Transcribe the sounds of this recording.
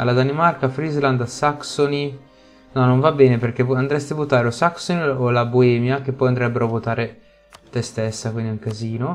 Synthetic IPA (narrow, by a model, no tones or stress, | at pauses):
alːad̪animarkafɾizland̪asaksoni | nɔnːoɱvabːɛːneperk̟eand̪ɾɛst̪ivot̪aːɾeosaksoniolaboɛːmjak̟epːɔjand̪ɾɛbːeɾoavot̪aːɾe | t̪est̪esːakwind̪iuŋkaziːno